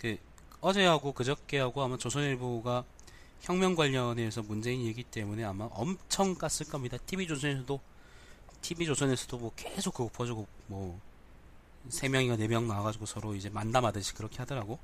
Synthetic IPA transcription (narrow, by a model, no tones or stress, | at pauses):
ke | ʌd͡ʑe̞ɦaɡokɯd͡ʑʌk̚k͈eɦaɡoamat͡ɕosʰʌniɭboɡa | çjʌŋmjʌŋɡwaʎːʌne̞ːs̬ʰʌmund͡ʑe̞inje̞ɡit͈e̞mune̞amaʔʌ̰mt͡ɕʰʌŋk͈as͈ɯɭk͈ʌmɲidatʰibid͡ʑosʰʌnes̬ʰʌdo | tʰibid͡ʑosʰʌne̞sʰʌd̥omwʌkesʰok͈ːɯɡopʰʌd͡ʑiɡomʌ | sʰe̞mjʌŋiɡane̞mjʌŋnaaɡad͡ʑiɡosʰʌɾoid͡ʑe̞mandamadɯɕʰi̥kɯɾʌkʰe̞hadʌɾaɡo